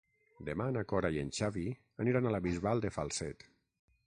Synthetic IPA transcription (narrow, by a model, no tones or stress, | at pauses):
d̪emanakɔɾajenʃaβi | aniɾanalaβizβalˠd̪efalˠsɛt̪